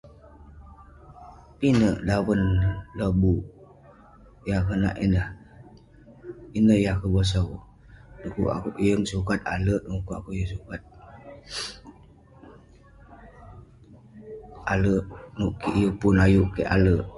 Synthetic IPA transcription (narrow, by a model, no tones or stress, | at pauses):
pinəʔdawənləbuʔ | jakəna̰ʔḭnə | inəhjakəbəs̬əw | nukṵʔa̰kuʔjəŋsukat̪̚a̰ləʔukua̰kujəsukat̪̚ | aləʔnuʔkiʔjəpunajuʔkeʔa̰ləʔ